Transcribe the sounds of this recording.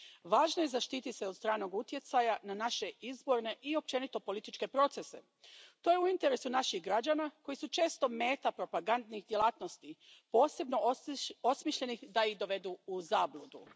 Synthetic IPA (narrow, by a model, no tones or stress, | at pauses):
ʋaːʒnoje̞zaʃt̪iːt̪ise̞od̪st̪ɾaːno̞ɡut̪je̞t̪sajananaʃe̞izbo̞ɾne̞ʔio̞p̚t͡ʃe̞nit̪o̞po̞lit̪it͡ʃke̞pɾo̞t̪se̞se̞ | t̪o̞ːjeuint̪e̞ɾesunaʃixɡɾad͡ʑanako̞jisut͡ʃe̞ːst̪o̞me̞ːt̪apɾo̞paɡand̪nixd̪je̞lˠaːt̪no̞st̪ipo̞ːse̞bno̞osmiːʃʎe̞nixd̪aid̪o̞ʋe̞d̪uuzaːblˠud̪u